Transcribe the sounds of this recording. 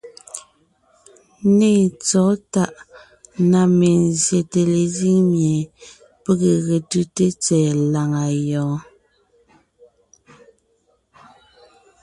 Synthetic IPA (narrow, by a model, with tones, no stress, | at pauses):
ne˦˨t͡sɔ˨˦ta˦ʔ | na˨me˨n˨zje˨te˨le˨zi˦ŋmje˨ | pe˦ɣe˨ɣe˨tɯ˦te˦t͡sɛː˨la˨ŋa˨jɔː˨˦